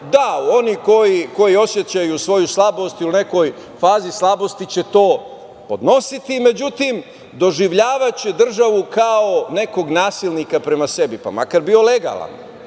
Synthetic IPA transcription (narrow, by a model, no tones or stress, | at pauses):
d̪ao̞niko̞jiko̞jio̞sje̞t͡ɕajusʋo̞juslˠabost̪iune̞ko̞j | faːzislˠabost̪it͡ɕe̞t̪o̞ː | po̞d̪no̞sit̪ime̞d͡ʑut̪im | d̪o̞ʒiʋʎaːʋat͡ɕed̪r̩ʒaʋukaone̞ko̞ɡnaːsilnikapɾe̞mase̞bipa̰ma̰kaɾbio̞le̞ɡa̰lˠa̰n